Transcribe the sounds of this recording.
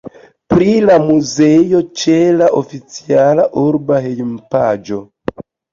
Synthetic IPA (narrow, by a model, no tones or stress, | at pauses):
pɾilamuzejo̞t͡ʃelaʔofit͡sialaʔuɾbaɦejmpad͡ʒo̞